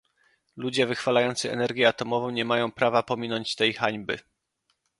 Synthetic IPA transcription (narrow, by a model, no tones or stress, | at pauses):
lud͡ʑɛvɘxfalajɔnt̪sɘɛ̰nɛɾɡʲjɛat̪ɔmɔvɔ̃w̃ɲɛmajɔ̃w̃pɾavapɔmʲinɔɲt͡ɕt̪ɛjxaɲbɘ̰